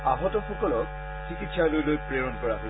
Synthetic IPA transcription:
aɦɔtɔxɔkɔlɔk̚ | kʰikitʃʰalojlojpɹeɹɔnkɔɹaɦo

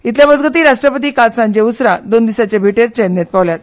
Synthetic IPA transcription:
it̪ljãbəd͡zɡət̪̬iːɾaʂʈɾəpət̪iːkalsãɲd͡ʑeusɾad̪ond̪isat͡ɕabʱiʈeɾt͡ɕenːet̪̚paʋljat̪̚

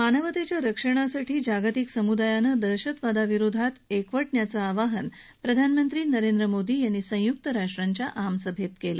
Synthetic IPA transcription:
manəʋət̪et͡ɕjaɾəkʂəɽ̃asaʈʰiːd͡ʑaɡət̪iksəmud̪ajanəd̪əɾɕət̪ʋad̪aʋiɾod̪ʱat̪ekʋəʈɳjat͡saːʋaɦən | pɾəd̪ʱanmənt̪ɾiːnəɾend̪ɾəmod̪iːjanːiːsə̃juk̚t̪əɾaʂʈɾaɲt͡ɕjaʔamsəbʱet̪kelə̰

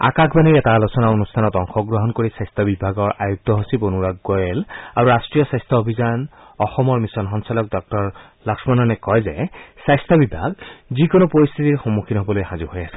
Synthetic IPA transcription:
a̰kakʰbaniɹɛtalosɔnaonustʰanɔtɔŋxɔɡɹɔɦɔnkoɹisajst̪ʰɔbibʱaɡɔɹʔa̰juk̚tɔɦosibonuɹaɡɡojelaɹuɹastɹijɔsajst̪ʰɔobʱizan | ɔxɔmɔɹmisɔnxɔnsalɔk̚dɔk̚tɔɹ | lɔksmanɔnɛkɔjzɛsajst̪ʰabibʱaɡzikonopoɹist̪ʰitiɹxomukʰinɦobɔlojxãzuhojasɛ̥

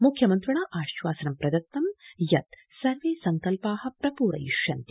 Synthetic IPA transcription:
mukʰjɐmɐnt̪ɾɐɳɐʔaːʃʋaːsɐnɐmpɾɐd̪ɐt̪ːɐmjɐt̪ | sɐɾʋeːsɐŋkɐlpaːɦɐ̆pɾɐpuːɾɐ̰jḭʂjɐnt̪i̥

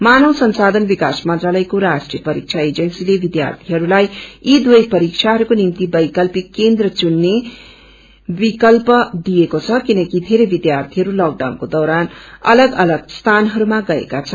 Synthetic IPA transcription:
manʌwsʌnsad̪ʱʌnbikasmʌnt̪ralʌjkoɾasʈrijʌpʌɾik̚t͡sʰaed͡zʌnsilebid̪ja̰rt̪ʰiɦʌɾulajid̪wojpʌɾik̚t͡sʰaɦʌɾukonimt̪ibʌjkʌlpikːend̪rʌt͡sunːe | bikʌlpʌd̪iekot͡sʰʌkinʌkid̪ʱeɾebid̪jart̪ʰiɦʌɾulʌɡ̚ɖawnkod̪ʌwɾanʌ̰lʌɡʌlʌɡst̪ʰanɦʌɾumaɡʌḛkat͡sʰʌn

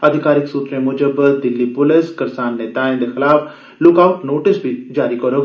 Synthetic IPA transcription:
ɐd̪ʱɪkaːɾɪksuːt̪ɾẽmʊd͡ʒəbəd̪d̪ɪlːipʊlɪskɐɾsaːnːeːt̪aːɪ̃nd̪exɪlaːf | lʊkaːʊʈnoːʈɪsbʱid͡ʒaːɾikɐɾoː

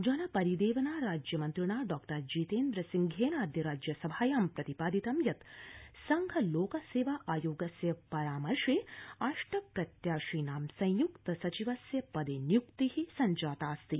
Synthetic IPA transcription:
d͡ʒɐnɐpɐɾid̪eːʋɐnaːɾaːd͡ʒjɐmɐnt̪ɾuɳaːɖɔːkʈɐɾd͡ʒiːt̪eːnd̪ɾɐsiŋɡʱeːnaːd̪jɐɾaːd͡ʒjɐsɐbʱaːjaːmpɾɐt̪ipaːd̪it̪ɐmjɐt̪sɐŋɡʱɐloːkɐseːʋaːʔaːjoːɡɐsjɐpɐɾaːmɐɾʂeːaʂʈɐpɾɐt̪jaːʂiːnaːmsɐ̃j̃jukt̪ɐsɐt͡ʃiʋɐsjɐpɐd̪eːnjukt̪ihisɐɲd͡ʒaːt̪aːst̪i

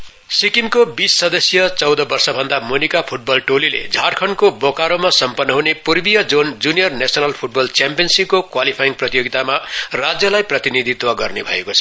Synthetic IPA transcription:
sikimkobisːʌd̪ʌsjʌt͡sʌwd̪ʌbʌrsʌbʱʌnd̪amonikapʰuʈ̚bʌlʈolilḛd͡zʱaɽkʰʌnkobokaɾomasʌmpʌnːʌɦunepurbijʌd͡zond͡zunijʌrnesʌnalpʰuʈ̚bʌlt͡sjampijʌnsikkokwalipʰajiŋprʌt̪ijoɡit̪amarad͡zjʌlajprʌt̪inid̪ʱit̪waɡʌrnebʱʌ̰ḛkot͡sʰʌ

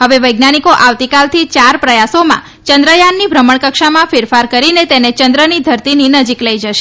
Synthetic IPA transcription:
ɦəʋeʋəjɡnaɽ̃ikoʔaʋt̪ikalt̪ʰit͡ʃaɾpɾəjasomã̰ | t͡ʃə̃nd̪ɾəjanːibʱɾəməɳkəkʃamãfɪɾfaɾkəɾinet̪enet͡ʃənd̪ɾənid̪ʱəɾt̪ininəd͡ʒikləjd͡ʒəʃe

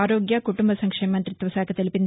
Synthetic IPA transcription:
aːɾoːɡjɐkuʈumbɐsɐŋkʂeːmɐnt̪ɾit̪ːʋɐsaːkʰɐt̪elipind̪

